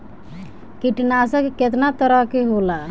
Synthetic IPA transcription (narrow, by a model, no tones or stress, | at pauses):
kiʈnaːsakeket̪nat̪əɾakeɦolaː